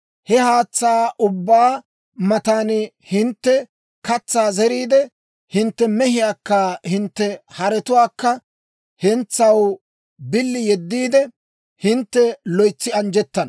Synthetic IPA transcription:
hɛhaːt͡sːaːʔʊbːaː | mɐt̪aːn | hɪnt̪ːɛ | kɐt͡sːaːzɛɾiːd̪ɛ | hɪnt̪ːɛmɛhɪjaːkːɐhɪnt̪ːɛhɐɾɛt̪ʊwaːkːɐ | hɛnt͡sːɐw | bɪlːɪjɛd̪ːiːd̪ɛ | hɪnt̪ːɛlɔjt͡sːɪɐnd͡ʒɛt̪ːɐnɐ

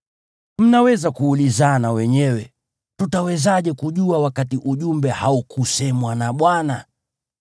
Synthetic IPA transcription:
m̩nawɛzakuːlizanawɛɲɛwɛ | tutawɛzaʄɛkuʄuawakatiʔuʄumbɛhaukusɛmwanaɓwana

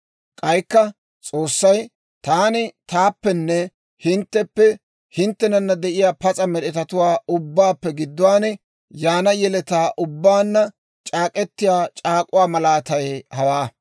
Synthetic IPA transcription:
kʼɐjkːɐ | t͡sʼoːsːɐj | t̪aːnɪt̪aːpːɛnːɛ | hɪnt̪ːɛpːɛ | hɪnt̪ːɛnɐnːɐd̪ɛʔɪjaːpɐt͡sʼɐmɛɗɛt̪ɐt̪ʊwaːʊbːaːpːɛɡɪd̪ːʊwaːnɛ | jaːnɐjɛlɛt̪aːʔʊbːaːnːɐ | t͡ʃʼaːkʼɛt̪ːɪjaːt͡ʃʼaːkʼʊwaːmɐlaːt̪ɐjɛhɐwaː

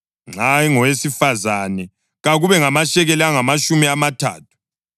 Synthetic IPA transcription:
ŋ͡ǀʱajiŋɔwesifazanɛ | ɣaɣuβɛŋamaʃɛɣeliaŋamaʃumiamatʰa̰ːt̚ʰu̥

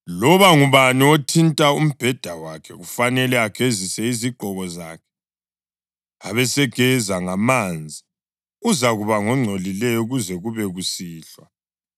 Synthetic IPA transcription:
lɔβaŋuβaniotʰintʼaum̩b̥ʱɛd̥ʱawakʰɛɣufanɛlɛakʰezisɛiziɡ͡ǃʱɔɣɔza̰ːkʰɛ̥ | aβɛsɛɡ̥ʱɛzaŋamand͡zʱi | uzaɣuβaŋɔŋ͡ǀʱolilɛjɔuɣuzɛɣuβɛɣusiːɬwa

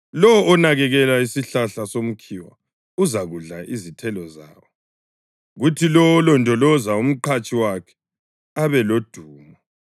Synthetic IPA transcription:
lɔwɔʔɔnaɣɛɣɛlaisiɬaɬasom̩kʰiwa̰ | uzaɣuɮaʔizitʰɛlɔza̰ːwɔ | ɣutʰilɔwɔlɔntʼɔlɔzaum̩ǃʰat͡ʃʼʰiwakʰɛ̥ | aβɛlod̥ʱuːmɔ

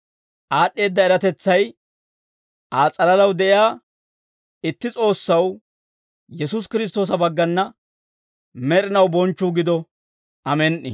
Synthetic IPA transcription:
ʔaːɗːe̞ːd̪ːɐɛɾɐt̪ɛt͡sːɐj | ʔaːt͡sʼɐlɐlɐwd̪ɛʔɪjaː | ɪt̪ːɪt͡sʼo̞ːsːɐw | jɛsʊs̬kɪɾɪs̬t̪o̞ːs̬ɐbɐɡːɐnːɐ | mɛɾɪnɐwbɔnt͡ʃːuːɡɪd̪ɔ | ʔɐmɛnʔɪ̰

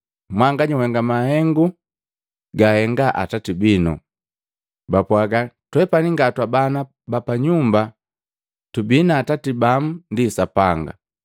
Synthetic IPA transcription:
mwaŋɡaɲihɛŋɡamahɛŋɡu | ɡahɛŋɡaʔa̰tatibinɔ̰ | bapwaɡatwɛpaniŋɡatwabana | bapaɲumba | tubinaːtatibam̩ndisapaŋɡa̰

